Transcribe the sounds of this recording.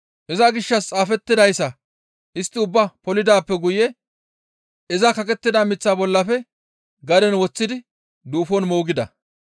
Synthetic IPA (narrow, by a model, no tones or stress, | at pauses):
ʔɛzɐɡɪʃːɐst͡sʼaːfɛt̪ːɪd̪ɐjsːɐ | ʔɪst̪ːɪʊbːɐpɔlɪd̪aːpːɛɡʊjɛ | ɛzɐkɐkʼɛt̪ːɪd̪amɪt͡sːaːbɔlːɐfɛ | ɡɐd̪ɛnwɔt͡sːɪd̪ɪ | d̪uːfɔnmoːɡɪd̪ɐ̰